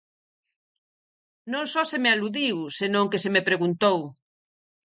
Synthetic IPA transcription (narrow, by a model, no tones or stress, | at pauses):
nõŋsɔsemealuðiwsenõŋkesemepɾeɣunt̪ow